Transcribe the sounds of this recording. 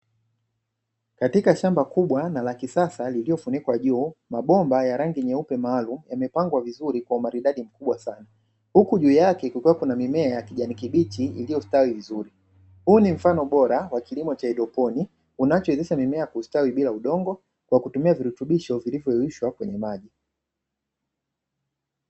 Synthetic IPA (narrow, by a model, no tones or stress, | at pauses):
katikaʃambakuɓwanalakisasaliliɔfunikwaʄuːmaɓɔmbajaɾaŋɡiɲɛupɛmaːlumujamɛpaŋɡwavizuɾikwaumaɾiɗaɗim̩kuɓwasana | hukuʄuːjakɛkukuwakunamimɛajakiʄanikiɓitiḭlijɔstawivizuɾi | huːnim̩fanɔɓɔɾawakilimɔt͡ʃaɛɗɔpɔni | unat͡ʃɔɛzisamimɛakuːstawiɓilauɗɔŋɡɔ | kwakutumiaviɾutuɓiʃɔvilivjɔɛwiʃwakwɛɲɛmaʄi